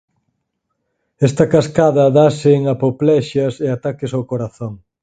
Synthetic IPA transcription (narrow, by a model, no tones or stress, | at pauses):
ɛst̪ɐkaskaðɐðasɪːŋapoplɛʃɐseat̪akɪsawkoɾaθoŋ